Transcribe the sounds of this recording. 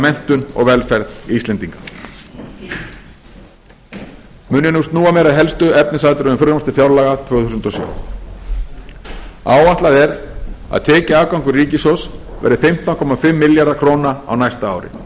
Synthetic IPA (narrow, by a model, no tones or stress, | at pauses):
mɛn̥t̪ʏnɔ̰ɣvɛlfɛɾðist̪ɛnt̪iŋkḁ | mʏːnjɪnust̪nuːamɛːɾaðɦɛlst̪ʏɛpnɪs̬aːjt̪ʏɾʏʏmfʏɾmast̪ɪfjawɾlaːɣat̪ʰvœːɣθusʏnt̪ɔsjœ̰ː | a̰ːwaht̪laðɛɾa̰ðt̪ʰɛːcɪaːkawŋkʏriːcɪsɔs | vɛ̰ɾðɪfɪm̥t̪awnŋkʰɔmːafɪmːɪljaɾðakʰɾoːwnaa̰wnajst̪aaːwɾɪ̰